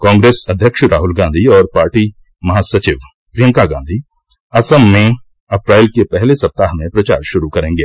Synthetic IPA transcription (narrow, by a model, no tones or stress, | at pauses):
kɔ̃ːŋɡɾeːsɐd̪ʱjəkʃɾaːɦʊlɡãːnd̪ʱiɔːɾpaːɾʈi | mɐɦasɐt͡ʃɪʋ | pɾijəŋkaɡãːnd̪ʱiː | ɐsəmːẽ | ɐpɾaːɪlkepɛɦlesɐp̚t̪aːɦmẽpɾɐt͡ʃa̰ːɾʃʊɾukɐɾẽːŋɡeː